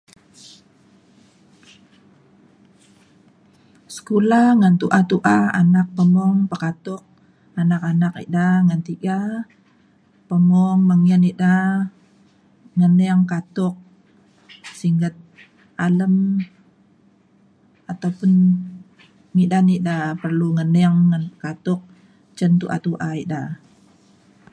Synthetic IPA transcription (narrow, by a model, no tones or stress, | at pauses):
sə̥kulaŋant̪uʔat̪uʔaa̰nak̚pəmɔŋpəkat̪ʊk̚ | anakanak̚ḭʔdaŋant̪iɡa | pəmɔŋməŋianiʔda | ŋənɛŋkat̪ʊk̚ | siŋɡət̪̚ | ʔaləm | at̪awpʊn | midaniʔdapərluŋənɛŋːankat̪ʊk̚ | t͡ʃənt̪uʔa̰t̪uʔaiʔda